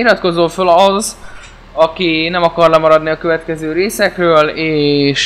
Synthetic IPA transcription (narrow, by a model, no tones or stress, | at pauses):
ilɾɒt̪ko̞zoːfølɒz | ɒkinɛmɒkɒrlɛmɒɾɒd̪niɒkø̞vɛt̪kɛzøːɾeːsɛkrøːleːʃ